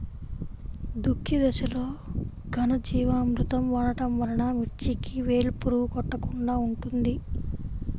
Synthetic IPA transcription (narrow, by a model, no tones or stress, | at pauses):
d̪ukʰːid̪ɐʃɐlo̞ː | ɡʱɐnɐd͡ʒiːʋaːmɾut̪ɐmʋɐɳɐʈɐmʋɐɾɐɳaːmiɾt͡ʃikiʋe̞ːlpuɾukɔʈːɐkuɳɖaːuɳʈund̪i